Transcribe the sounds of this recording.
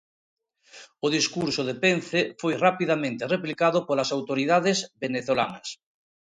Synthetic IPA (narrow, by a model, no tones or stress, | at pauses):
oðiskuɾsoð̞epenθefojrapiðamẽnt̪ereplikaðopolasawt̪oɾiðaðezβeneθola̰nɐs